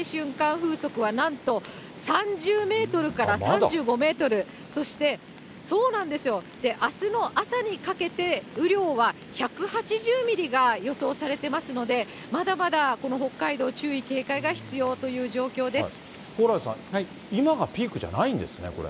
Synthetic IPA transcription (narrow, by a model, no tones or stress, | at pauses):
ɕɨ̃ŋkãɰ̃ɸɯ̟ːso̞kɯ̟βanãnt̪o̞ | sãɲ̟d͡ʑɨːme̞ːt̪o̞ɾɯ̟kaɾasãɲd͡ʑɨːɡo̞me̞ːt̪o̞ɾɯ̟ | so̞ɕi̥t̪e̞ | so̞ːnãnd̪e̞sɨjo̞d̪̥e̞ʔasɨno̞ʔasaɲ̟ikake̞t̪e̞ɯ̟ɾʲjo̞ːβa | çakɯ̟hat͡ɕiʑɨːmʲiɾʲiɡajo̞so̞ːsaɾe̞t̪e̞masɨno̞d̪e̞ | mad̪amad̪ako̞no̞ɦo̞kːaid̪o̞ːt͡ɕɨːike̞ːkaiɡaçi̥t͡sɨjo̞ːt̪o̞jɯ̟ːʑo̞ːkʲo̞ːd̪esɨ̥ | hoːɾaisã̰hai | imaɡapʲiːkɯ̟ʑa̰naĩnd̪e̞̰sɨnḛko̞ɾḛ